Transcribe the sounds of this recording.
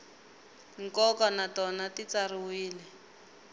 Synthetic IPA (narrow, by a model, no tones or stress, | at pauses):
ŋ̩kɔkɔnatɔnatit͡sariwiːlɛ